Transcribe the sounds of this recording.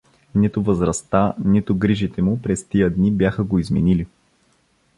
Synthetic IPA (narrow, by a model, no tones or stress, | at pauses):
nit̪ʊvəzɾɐst̪anit̪ʊɡɾiʒit̪ɛmʊpɾɛst̪ijəd̪nibjaxəɡoizmɛnili